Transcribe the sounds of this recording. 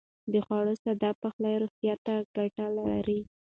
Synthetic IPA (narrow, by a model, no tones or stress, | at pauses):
d̪əxwɑɽosad̪ɑpəxlajɾoxt̪jɑt̪aɡ̥aʈalaa̰ɾi